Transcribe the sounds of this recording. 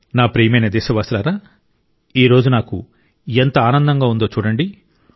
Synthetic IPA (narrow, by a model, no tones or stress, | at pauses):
naːpɾeːjɐmɐjnɐd̪ɛːʃɐʋaːslaːɾaː | iːɾo̞ːd͡ʒunaːkṵ | ent̪ɐaːnɐnd̪ɐŋɡaːund̪o̞ːt͡ʃuːɽɐɳɖi